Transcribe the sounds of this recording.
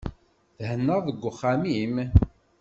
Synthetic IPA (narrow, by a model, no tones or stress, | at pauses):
θhənːəʁðəɡʷːʊχːamim